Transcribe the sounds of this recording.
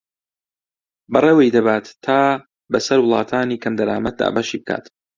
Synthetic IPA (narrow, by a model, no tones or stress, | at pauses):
bɨreːwejd̪ɐbaːt̪ʰːaː | bɐsɐɾwʊlˠɑːt̪ʰaːniːkʰɐmd̪ɐɾaːmɐt̪̚d̪a̰ːbaʃiːbɨkʰa̰ːt̪